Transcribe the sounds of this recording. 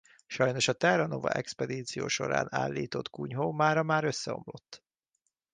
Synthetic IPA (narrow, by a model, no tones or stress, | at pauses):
ʃɒjno̞ʃɒt̪ɛrɒnovɒ̰ʔɛkspɛd̪iːt̪sijo̰ːʃo̞̰ɾa̰ːna̰ːlːiːt̪o̞t̪kuɲɦoːmaːɾɒmaːɾø̞sːɛo̞mlo̞t̪ː